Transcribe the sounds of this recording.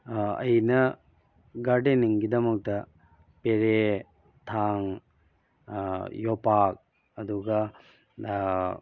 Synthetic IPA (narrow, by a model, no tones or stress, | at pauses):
ɐ̰jnɐ | ɡɐɖeniŋɡid̪ɐmok̚t̪ɐ | peɾe | t̪ʰaːŋ | jopaːk̚ | ɐd̪uɡa